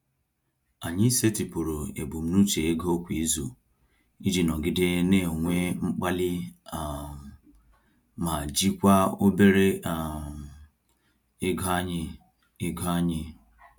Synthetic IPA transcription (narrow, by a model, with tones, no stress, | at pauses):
a˨ɲɪ˦i˦se˦ti˨pu˨ɾo˨ḛ˨bu˨m̩˦nu˦t͡ʃe˨e˦ɡo˦o˦kʷi˨i˦zu˨ | i˦d͡ʒi˨nɔ˨ɡɪ˦dɪ˦ne˦˨ŋʷe˦ŋ͡m̩˦k͡pa˦lɪ˦˨ | ma˨d͡ʒi˦kʷa˦o˦be˦ɾe˦˨ | ɪ˦ɡɔ˦a˦ɲɪ˦ | ɪ˦ɡɔ˦a˦ɲɪ˦